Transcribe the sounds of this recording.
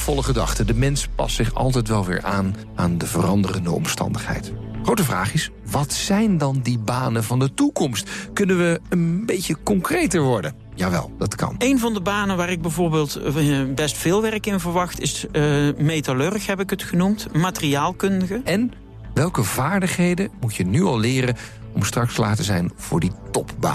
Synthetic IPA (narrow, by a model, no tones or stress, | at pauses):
v̥ɔlˠəχədɑ̰χtədəmɛnspɑ̰stsɪχɑ̰lˠtɛjtʋɛlˠʋɪ̰ːɹʔaːn | ʔaːndəvərɑndərəndəɔ̰mstɑ̰ndəχɦɛ̰jtχowtəvra̰ːχɪs | ʋɑtsɛjndɑndibaːnənvɑndətukɔmstkɵnəʋəənbejcəkɔŋkrejtəɹʋɔɹdə̰n | jaːʋɛ̰lˠd̥ɑtkʰɑ̰nejnvɑndəbaːnənʋaːrɪɡ̚bɛjvʊːɹbeːlˠtbɛstfɪːlˠʋɛrkɪnvəɹʋɑχtɪsmejtalørəxɦɛpɪkətχənumtmaːtəriaːlˠkɵndəɣəɛn | ʋɛlˠkəvaːɹdəχɦejdəmutjənyɑlˠlɪːrən | ɔmstrɑkstəla̰ːtəzɛ̰jnv̥ʊ̰ːɹditɔpba̰ː